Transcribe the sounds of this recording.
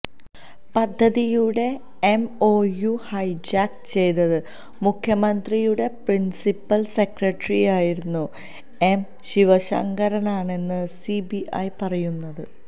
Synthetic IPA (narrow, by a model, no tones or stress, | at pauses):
pɐd̪ʱːɐðijuɽe̞ː | mo̞ːjuhɐjd͡ʑaːk̚t͡ɕe̞jt̪ɐðɨ | mukʰjɐmɐnd̪rijuɽe̞prinsipːɐlse̞krɐʈːrijaːjiɾunːu | em | ɕiʋɐɕɐ̰ŋɡɐɾɐnaːɳe̞nːɨsibiʔɐjpɐrɐjunːɐðɨ